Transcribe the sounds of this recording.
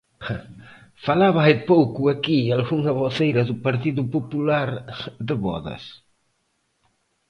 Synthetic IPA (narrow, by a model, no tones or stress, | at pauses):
falaβaejpowkuakialɣuŋaβoθejɾɐðupaɾt̪̬iðupopulaɾðəβɔ̰ðɐ̰s